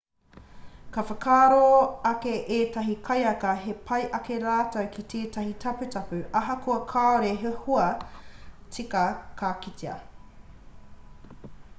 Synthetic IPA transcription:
kɐfɐkʰaːɾoɐkeʔeːtɐɦikʰɐjɐkɐɦepʰɐjʔɐkeɾaːtɐwkʰitʰeːtɐhitʰɐpʉtɐpʉɐɦɐkuɐkʰaːoɾeɦehuɐ | t͡sikɐkʰakiteɐ̰

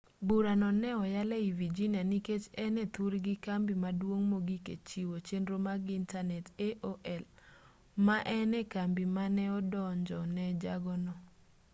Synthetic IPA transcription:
buɾanɔnɛɔjalɛivid͡ʒinijaniket͡ʃɛnɛt̪uɾɡikambimadwoŋmoɡikḛt͡ʃiwot͡ʃendɾomaɡintanɛteʔoʔɛl | maʔɛnɛkambimanɛɔdɔɲd͡ʒɔnɛd͡ʒaɡɔnɔ

